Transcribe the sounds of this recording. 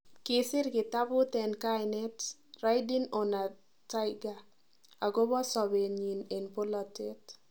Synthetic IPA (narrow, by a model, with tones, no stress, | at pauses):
ke˨sɪ˦ɾkɪ˨ta˦bʊ˦t̪ɛ˨nka˦jnɛ˦tra˦jdi˦no˨na˨ | ta˦ɪɡa˨ | a˨ɡo˦bɔ˦sɔ˨be˨ɲi˨ne˨npo˦lɔ˨tet